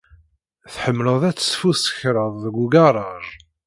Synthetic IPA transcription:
θħəmːləðˤæt͡sːsfusə̥çɾˤəðˤəɡʷuɡɑrˤɑɾˤ

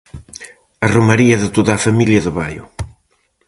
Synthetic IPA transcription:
ɐromaɾiɐðɪt̪oðaːfamiljɐðʊβajʊ̰

